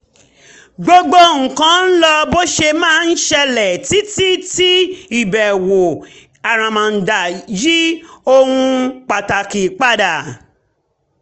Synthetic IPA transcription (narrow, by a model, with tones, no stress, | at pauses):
ɡ͡bo˦ɡ͡bo˦ŋ̩˨kã˧˦n̩˦lɔ˧bo˦ʃe˧mãː˦n̩˦ʃɛ˧lɛ˨ti˨˦ti˦ti˦i˨bɛ˨wo˨ | a˨ɾ̃ã˨mã˨n̩˨da˨ji˦o˧hũ˧k͡pa˨ta˨ki˨k͡pa˦da˨